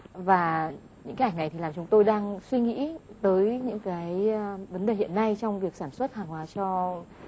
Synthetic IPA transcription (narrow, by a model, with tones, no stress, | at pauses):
vaː˨˩ | ɲɨ̰˧ŋka˨˦ha˧˩ŋna˨˩t̪i˨˩laː˨˩mt͡ɕʊ˨˦ŋ͡mt̪o˧jɗaː˧ŋswi˧ŋḭ˧˥t̪əː˨˦jɲɨ̰˧˥ŋkaː˨˦jvə˨˦nɗe˨˩hḭ˧˨ənːa˧jt͡ɕɔ˧wŋ͡mvi˨˩əksaː˧˩nswə˦˥t̚haː˨˩ŋlaː˨˩t͡ɕɔ˧